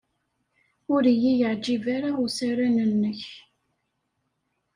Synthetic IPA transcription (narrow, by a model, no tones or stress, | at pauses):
ʊɾijijəʕd͡ʒivaɾausaɾænənːəç